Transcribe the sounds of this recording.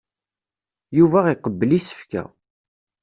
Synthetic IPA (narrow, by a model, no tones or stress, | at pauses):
juvæiqəbːəlisə̥fkæ̰